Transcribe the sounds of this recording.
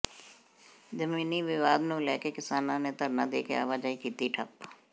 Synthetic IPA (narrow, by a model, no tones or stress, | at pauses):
d͡ʒəmiːniʋɪʋaːd̪nũlɛːkekɪsaːnãnet̪əɾnad̪ḛːkḛa̰ːʋad͡ʒaːikiːt̪iʈʰɐ̰p